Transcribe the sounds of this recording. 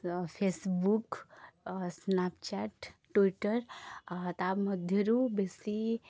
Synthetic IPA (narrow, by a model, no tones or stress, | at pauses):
pʰesbuk | snapt͡ʃaʈː | wiʈəɾt̪abməd̪ʱjəɾubesi